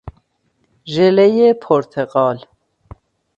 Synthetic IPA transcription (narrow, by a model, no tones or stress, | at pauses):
ʒɛlɛjɛpʰɔɾt̪ʰɛqʼɑːl